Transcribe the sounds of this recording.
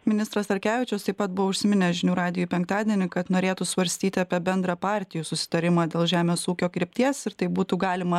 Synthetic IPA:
mʲɪnʲɪst̪ɾɐst̪ɐɾʲkʲæːʋʲɪt͡ʃʲɛst̪ɐɪpɐt̪̚bʊʋoʊʃʲsʲɪmʲɪnʲɛʒʲɪnʲuːɾɑːd̪ʲɪjupʲɛŋkt̪ɑːd̪ʲiɛnʲɪkɐt̪noːɾʲeːt̪usʋɐɾʲsʲt̪ʲiːt̪ʲɪɑpʲiɛbʲɛnd̪ɾɑpɑːɾʲt̪ʲɪjuːsʊsʲɪ̥t̪ɐɾʲɪmɑːd̪ʲeːlˠʒʲæːmʲeːsuːkʲoːkɾʲɪpʲt̪ʲiɛsɪɾt̪ɐɪbuːt̪uɡɑːlʲɪmɐ

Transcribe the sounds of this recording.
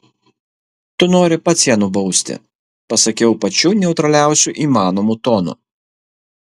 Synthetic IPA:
t̪ʊnoːɾʲɪpɐt̪sʲiɛnubɐʊsʲt̪ʲɪ̰ | pɐsɐkʲɛʊpɐt͡ʃʲuːnʲɛʊt̪ɾɐlʲæˑʊsʲuʔiːmɑːnomut̪oːnʊ̰

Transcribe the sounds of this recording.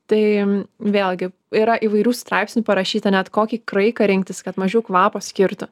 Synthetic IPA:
t̪ɐɪʋʲeːlʲˠɡʲɪ | iɾɐʔiːʋɐɪɾʲuːst̪ɾɑɪpʲsʲnʲuːpɐɾɐʃʲiːt̪ɐnʲɛt̪koːkʲiːkɾɐɪkɐɾʲɪŋkt̪ʲɪskɐt̪mɐʒʲɛʊkʋɑːpoːsʲkʲɪɾt̪ʊ

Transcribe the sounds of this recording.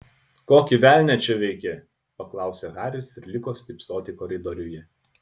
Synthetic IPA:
koːkʲɪʋʲæˑlʲnʲɛt͡ʃʲɛʋʲɛɪkʲɛ | pɐklˠɑˑʊsʲɛɣɑːɾʲɪsɪɾlʲɪkoːsʲt̪ʲɪpsʲoːt̪ʲɪkɔɾʲɛd̪ɔɾʲʊjɛ

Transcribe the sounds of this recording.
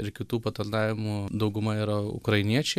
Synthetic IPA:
ɪɾkʲɪt̪uːpɐt̪ɐld̪ɑːʋʲɪmud̪ɐʊɡʊmɐiːɾɐʊ̰kɾɐɪnʲiɛt͡ʃʲɛ

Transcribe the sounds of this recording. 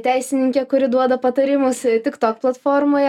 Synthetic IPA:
t̪ʲæɪsʲɪnʲɪŋʲkʲɛkʊɾʲɪd̪uɔd̪ɐpɐt̪ɐɾʲɪmʊst̪ʲɪkt̪oːkplˠɐt̪foːɾmoːjɛ

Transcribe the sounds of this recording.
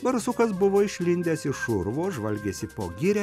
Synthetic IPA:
bɐɾsʊkɐs̬bʊʋoːɪʃʲlʲɪnʲd̪ʲeːsɪʃʊɾʋoːʒʋɐlʲɡʲeːsʲɪpo̰ːɡʲɪɾʲɛː

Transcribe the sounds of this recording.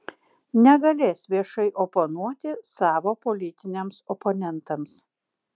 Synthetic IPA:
nʲɛɡɐlʲeːsʋʲiɛʃɐɪʔoponuɔt̪ʲɪsɑːʋoːpolʲɪt̪ʲɪnʲemsɔponʲɛnt̪ɐms

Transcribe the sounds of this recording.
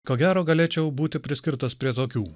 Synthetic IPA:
koːɡʲæːɾoːɡɐlʲeːt͡ʃʲɛʊbuːt̪ʲɪpʲɾʲɪsʲkʲɪɾt̪ɐspʲɾʲiɛt̪oːkʲuː

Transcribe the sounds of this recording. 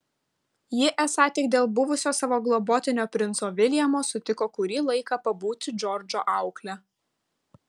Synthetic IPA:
jɪʔɛsɑːt̪ʲɪk̚d̪ʲeːlˠbʊʋʊsʲoːsɑːʋoːɡlˠɔboːt̪ʲɪnʲoːpʲɾʲɪnt̪soːʋʲɪlʲjɛmoːsʊt̪ʲɪkoːkʊɾʲiːlˠɐɪkɐpɐbuːt̪ʲd͡ʒʲɔɾʲd͡ʒʲo̰ːʔɑˑʊklʲɛ

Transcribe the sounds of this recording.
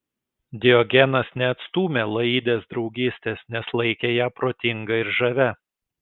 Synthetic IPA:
d̪ʲɪɔɡʲɛnɐsnʲɛɐt̪st̪uːmʲelˠɐid̪ʲeːsd̪ɾɒʊɡʲiːsʲt̪ʲeːsnʲɛslˠɐɪkʲejæːpɾoːt̪ʲɪŋɡɐɪɾʒɐʋʲɛ

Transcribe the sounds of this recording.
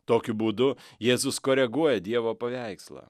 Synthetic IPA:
t̪oːkʲʊbuːd̪ʊjeːzʊskoːɾʲɛɡuɔjɛd̪ʲiɛʋoːpɐʋʲæˑɪkslˠɐ̰

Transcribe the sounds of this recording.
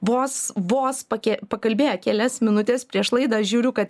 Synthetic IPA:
ʋoːsʋoːspɐkʲɛpɐkɐlʲbʲeːjɛkʲæːlʲɛsmʲɪnʊt̪ʲeːspʲɾʲiɛʃlˠɐɪd̪ɐɐʃʒʲuːɾʲʊkɐt̪

